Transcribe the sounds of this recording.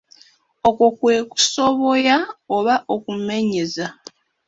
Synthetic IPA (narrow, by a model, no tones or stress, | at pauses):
okokweːku̥so̞βo̞jaoβaʔokume̞ɲe̞za